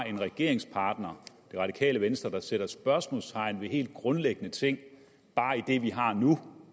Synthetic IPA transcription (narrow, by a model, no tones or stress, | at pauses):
e̝nʁɛɡ̥e̝ɐ̰e̝ŋspʰɑ̈ːd̥nɐd̥e̝ʁɑ̈ɾ̥ikʰɛ̰ːləʋensd̥ʁɐd̥ɑ̈seɾ̥ɐsb̥ɶɐsmɔ̰ːlst͡sʰɑ̈ɪ̰nʋe̝ɦe̝̰ːld̥̚ɡ̥ʁɔ̽nleɡ̥ənət͡sʰe̝ŋ̰ | b̥ɑ̈ːid̥e̝ʋiɦɑ̈nu